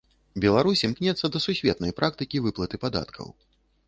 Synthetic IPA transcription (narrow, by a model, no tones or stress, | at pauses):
bʲɛlˠaɾusʲimknʲɛt̪sːɐd̪ɐsusʲvʲɛt̪nɐjpɾʔak̚t̪ɨkʲivɨplˠɐt̪ɨpad̪a̰t̪kʰɐ̰w